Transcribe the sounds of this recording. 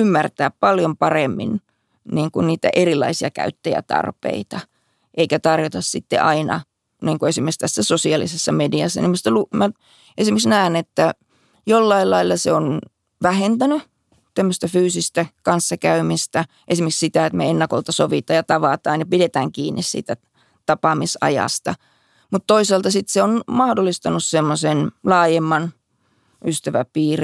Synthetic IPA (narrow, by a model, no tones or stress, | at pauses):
ymːært̪æːppɑljompɑremːḭn | niːŋkunniːt̪æ̰ʔerilːˑɑisiɑkæ̰yt̪ːejæ̰t̪ɑ̰rpḛit̪ɑ | ʔeikæt̪ɑrjot̪ɑssit̪ːḛʔɑinɑ̰ | niːŋkuesimːˑekst̪æsːæsosiɑlḭsesːɑmediɑsːɑ̰nimust̪ælumæ | ʔesimeksnæːnet̪ːæ | jolːɑilɑilːɑseon | ʋæhent̪æny | t̪æmːøst̪æfyːsist̪ækɑnsːɑkæymist̪æ | ʔesimekssit̪æet̪mḛenːɑko̰lt̪ɑsoʋit̪ɑːjɑt̪ɑʋɑt̪ɑːnjɑpidet̪æːŋkiːnːissḭːt̪æ | t̪ɑpɑmisɑ̰jɑ̰st̪ɑ̰ | mut̪t̪oisɑlt̪ɑsit̪seonmɑhdolːˑist̪ɑnussemːosenlɑːjemːɑn | ʔyst̪æʋæ̰piːr